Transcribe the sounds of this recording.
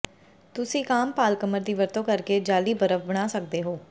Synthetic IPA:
t̪ʊsĩːkaːmpaːlkəməɾd̪iːʋəɾt̪õːkəɾkeːd͡ʒaːliːbəɾəfbəɽ̃aːsək̚d̪eːɦoː

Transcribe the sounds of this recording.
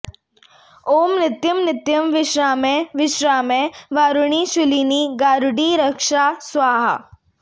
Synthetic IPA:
oːmnɪt̪jɐmnɪt̪jɐmʋɪʃɾaːmẽʋɪʃɾaːmẽʋaːɾʊɳ̃iʃʊliːniɡaːɾʊɖiɾɐkʂaːsʋaːɦa̰

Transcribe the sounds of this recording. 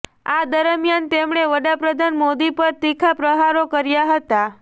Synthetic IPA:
ad̪əɾəmjant̪emɳeʋəɽapɾəd̪ʱanmod̪ipəɾt̪ikʰapɾəɦaɾokəɾjaɦət̪a

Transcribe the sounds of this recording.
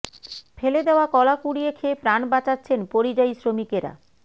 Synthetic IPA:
feled̪eoakɔlakuɽiekʰepɾanbat͡ɕatːɕʰenpoɾid͡ʑajsɾomikeɾa̰

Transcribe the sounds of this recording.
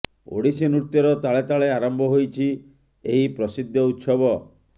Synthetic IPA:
o̰ɽisenuɾt̪ːjɔɾɔt̪aɭet̪aɭeaɾɔmbʱɔɦojt͡ʃʰi | eɦipɾɔsid̪ʱjɔut̪sɔbɔ

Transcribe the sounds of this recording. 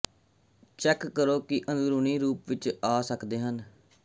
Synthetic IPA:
t͡ʃɛːkːəɾoːkɪʔənd̪ɾuːɳiːɾuːpʋɪt͡ʃaːsəkd̪eːɦən

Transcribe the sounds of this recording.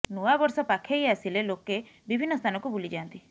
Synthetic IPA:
nuabɔɾsɔpakʰejasileloke | bibʱinːɔst̪ʰanɔkubulid͡ʒant̪i

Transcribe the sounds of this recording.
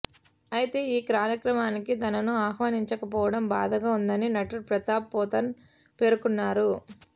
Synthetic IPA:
ɐjit̪e̞ːiːkɾaːɾjɐkɾɐmaːnikit̪ɐnɐnuaːɦʋaːniɲt͡ʃɐkɐpɔːʋɐɽɐmbaːd̪ɐɡaːund̪ɐninɐʈuɾpɾɐt̪aːpːɔːt̪ɐn | pe̞ːɾukunːaːɾu

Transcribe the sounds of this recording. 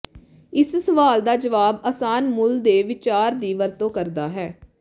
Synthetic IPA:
ɪssəʋaːld̪aːd͡ʒəʋaːbəːsaːnmʊld̪eːʋɪt͡ʃaːɾd̪iːʋəɾt̪õːkəɾd̪aːɦɛː

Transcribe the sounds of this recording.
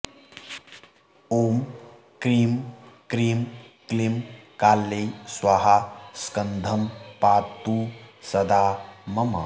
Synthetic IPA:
oːm | kɾiːmkɾiːmklimkaːlːejswaɦaskɐnd̪ʱɐmpaːt̪ːuːsɐd̪aːmɐmɐ̰

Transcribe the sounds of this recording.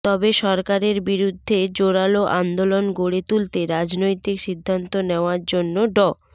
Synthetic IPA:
t̪ɔbeʃɔɾkaɾeɾbiɾud̪ʱːed͡ʑoɽaloʔand̪olonɡoɽet̪ult̪eɾad͡ʑnojt̪ikʃid̪ʱːant̪oneoaɾd͡ʑonːoɖɔ

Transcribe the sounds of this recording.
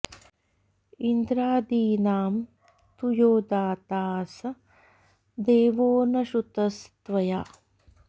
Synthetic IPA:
ind̪ɾaːd̪iːnaːm | t̪ujoːd̪aːt̪aːsɐ | d̪eːʋoːnɐʃut̪ɐst̪ʋɐjaː

